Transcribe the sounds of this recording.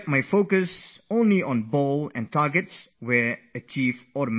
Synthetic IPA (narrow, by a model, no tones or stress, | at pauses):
t̚majfoʊkəsõʊ̃nliɔ̃nbolˠɛ̰̃ntɑɹɡɨtswɛɹət͡ʃifɔɾm